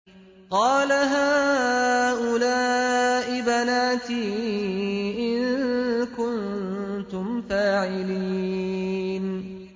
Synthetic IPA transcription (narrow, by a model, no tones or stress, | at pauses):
qɑːlaɦaː | ʔʊlaːʔɪbanaːt̪iː | ʔɪnkʊnt̪ʊmfaːʕɪliː | n